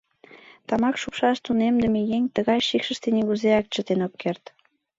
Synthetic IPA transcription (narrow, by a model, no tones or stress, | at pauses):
t̪ɑmɑkʃukʃɑʃt̪unemd̪əmejeŋʲt̪əɣɑjʃikʃə̆ʃt̪enʲiɣuzeɑk̚t͡ɕə̆t̪enokːert̪